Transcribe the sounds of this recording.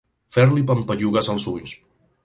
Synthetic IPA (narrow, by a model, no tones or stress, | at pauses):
fɛɾlipəmpəʎuɣəzəlˠsuʎs